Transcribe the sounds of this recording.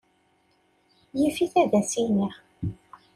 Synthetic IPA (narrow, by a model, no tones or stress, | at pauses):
jifiθæðæsiniʁ